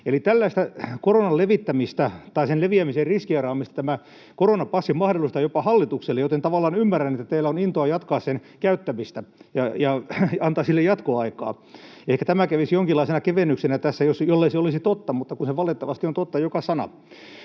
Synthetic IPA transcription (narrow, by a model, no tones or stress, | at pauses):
elit̪ælːæist̪ækoronɑlleʋit̪ːæmist̪æt̪ɑisenleʋiæmiserriskiɑrɑːmist̪ɑt̪æmæ | koronɑpɑsːimɑhdolust̪ɑjopɑhɑlːit̪ukselːejot̪ent̪ɑʋɑlːˑɑːnymːærænːet̪ːæt̪eilːæonint̪oɑjɑt̪kɑːssenkæyt̪ːæmist̪æjɑjɑɑnt̪ɑːsilːejɑt̪koɑikɑ̰ː | ehkæt̪æmækæʋisjoŋkilːɑisenɑkeʋenːyksenæt̪æsːæjosjolːeiseolisit̪ot̪ːɑmut̪ːɑkunseʋɑlet̪ːɑʋɑst̪iont̪ot̪ːɑjokɑsɑnɑ̰